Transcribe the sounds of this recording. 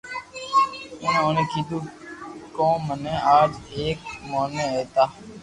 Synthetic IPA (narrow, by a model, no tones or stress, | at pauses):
ɪnõːnẽːkʰiːd̪uːkõːmənẽːaːd͡ʒeːk̚moːneːeːt̪aː